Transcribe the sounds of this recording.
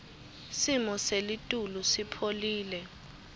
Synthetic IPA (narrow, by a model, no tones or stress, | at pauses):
simɔselitʼulusipʰoliːlɛ